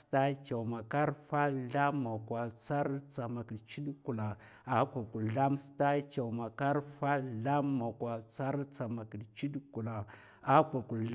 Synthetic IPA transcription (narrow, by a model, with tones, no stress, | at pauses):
sta˦ka˨ma˨ka˦ɾfa˦ɬa˦mːa˨kwa˨t͡sa˦ɾt͡sa˨ma˨ki˨dt͡ʃi˦ɗku˨la˨ | a˨˦kʷa˨ku˨ɬa˦msta˦ka˨ma˨ka˦ɾfa˦ɮa˦mːa˨kwa˨t͡sa˦ɾt͡sa˨ma˨ki˨dt͡ʃi˦dku˨la˨ | a˦kʷa˨ku˨